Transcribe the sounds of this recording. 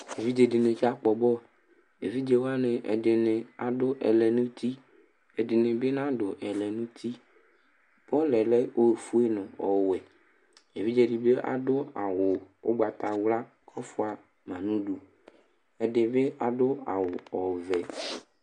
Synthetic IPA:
e˨vi˦d͡ʒe˨de˨nẽ˨d͡ʒa˦k͡pɔ˨bɔ˦ | ḛ˨vi˦d͡ʒe˦wa˦nẽ˨ʔɛ̰˨ɖɪ˨ne˨a˨dʊ˦ʔɛ̰˨lɛ˨nũ˦t̪i˦ | e˨dɪ˨nẽ˨be˦nã˦ɖʊ˨ʔɛ˨lɛ˨nũ˦t̪ʰi˦ | pɔ˦lɛ˨lɛ˦o˦e˨fu˦e˦nɔ̃˨ɔ˨wɛ˨ | e˨vi˦d͡ʒe˨ɖi˨be˦ʔa̰˨dʊ˦a˨wʊ˨o̰˦ɡ͡ba˨t̪a˨wla˦ | kʰɔ˦fʊ˦a˨ | mã˨nũ˦ɖu˨ | ɛ˨ɖɪ˨be˦a˨ɖʊ˦a̰˨wo˨ɔ˨vɛ˨

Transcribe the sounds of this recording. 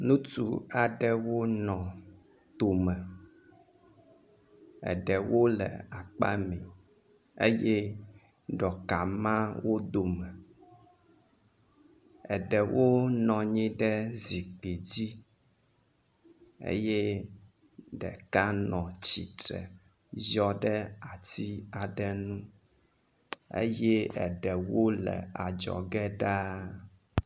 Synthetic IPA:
nũ˦t͡ʃu˦a˨ɖɛ˦wo˦nɔ̃˨ | t̪o˨mɛ̃˨ | ɛ̰˨ɖɛ˨wo˦lɛ̰˨a˨k͡pa̰˦mĩ˨ | ḛ˦jɛ˦ | ɖɔ˨ka˨mã˦wo˦d̪o˨mɛ˨ | ɛ̰˨ɖɛ˨wo˦nɔ̃˨ɲĩ˦ɖɛ˦zi˨k͡pe˨d͡ʑi˦ | ḛ˦jɛ˦ | ɖɛ̰˨ka˦nɔ̃˨t͡ɕḭ˨tɾɛ̰˨ | zɔ˦ɖɛ˦a˨ti˦a˨ɖɛ˦nũ˦ | ḛ˦jɛ˦ɛ˨ɖɛ˨wo˦lɛ̰˨a˨d͡ʒɔ̰˨ɡɛ˦ɖa˦

